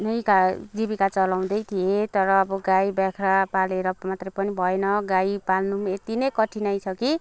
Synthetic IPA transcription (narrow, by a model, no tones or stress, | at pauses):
nʌjkad͡zibikat͡sʌlaw̃d̪ʌjt̪ʰijet̪ʌɾʌːbʌɡajbjakʰɾapaleɾʌmat̪rʌjpʌnibʱʌenʌɡajpalnuet̪inʌjkʌʈʰinajt͡sʰʌki